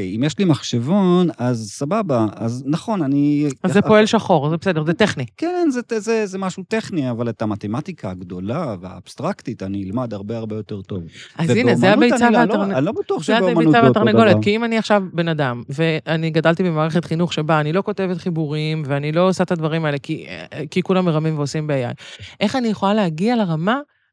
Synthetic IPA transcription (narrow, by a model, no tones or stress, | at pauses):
imjɛʃlimaχʃevonazsababaaznaχo̞naniazepoe̞lʃaχo̞ʁzebese̞dezet̪eχnikenzetzezemaʃuteχniavaletamat̪ematikʰaːɡdo̞lavea̰ːb̥st̪ʁaktit̪aninilmad̪aʁbe̞aʁbejo̞te̞ʁt̪o̞vʔazinezeabejt͡savealaʁnnlobatuaχʃabejt͡savat̪aʁneɡolekiimaniaχʃavbe̞nadamve̞aniɡadalt̪ibemaːʁeχetχinuχʃebaːnilo̞ko̞te̞vet̪χibuʁimve̞anilo̞ːsaet̪advaʁimaelekikikulamːeʁamimveosimbeaja̰jʔe̞χanijeχolaleaɡialeʁama